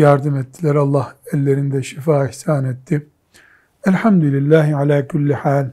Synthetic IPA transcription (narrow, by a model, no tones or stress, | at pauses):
jɑːɾd̪ɨmɛt̪ʰːilɛɾɑlˠˤːɑːhɛlːeɾɪnd̪ɛʃɪfaːɪħsaːnɛt̪ːɪ | ælħamd̪ʊlɪlːaːhʕalaːkʊlːɪħaːl